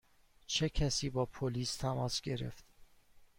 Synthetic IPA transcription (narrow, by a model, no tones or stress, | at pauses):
t͡ʃʰecʰæsiːbɒːpʰoliːst̪ʰæmɒːsɡe̞ɾḛft̪